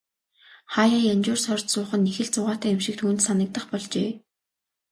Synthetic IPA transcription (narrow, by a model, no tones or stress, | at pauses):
χaːjaːjant͡ɕʊːrsœrʲt̪sʊːχə̆nːexɘ̆ɮt͡sʊʁaːt̪æːʊmʃɪ̆k̚t̪ʰuːnt̪sanə̆k̚t̪ə̆χpɔɮt͡ɕeː